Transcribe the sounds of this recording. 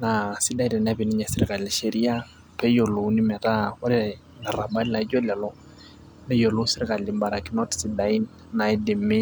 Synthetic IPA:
na˨si˦da˨inɛ˨nabi˨ni˦ɲɛ˨sɪ˦ɾɪ˨ka˨llɪ˨ʃe˦ɾi˦a˦ | pɛ˦jo˨lo˨˦ni˦mɛ˨ta˦o˦ɾe | na˨ɾa˨ba˦li˦la˨i˦d͡ʒo˦la˨lɔ˦ | ne˦jo˨lo˦sɪ˦ɾɪka˨lɪ˨mba˨ɾa˨ki˦no˦tsi˦da˨i˦n | na˨i˦dɪ˨mɪ˦

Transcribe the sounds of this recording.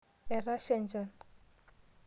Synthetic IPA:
ɛ˨ra˦ʃɛ˦nd͡ʒa˨n

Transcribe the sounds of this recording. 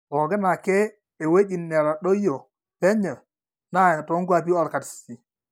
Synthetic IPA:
ɔ˨ɡɪ˦na˨keː˦˨ | we˦di˨nːɛ˨ɾa˨ɗo˦jo˨ | pɛ˦ɲə˨ | na˦˨to˦ŋɡa˦˨p̬i˦ɔ˦˨lka˨tssi˨

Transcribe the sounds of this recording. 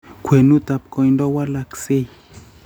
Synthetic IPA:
kʰʷwe˨nu˦t̪a˨p̚kɔ˨i˦ndɔ˦wa˦la˦kse˦˨

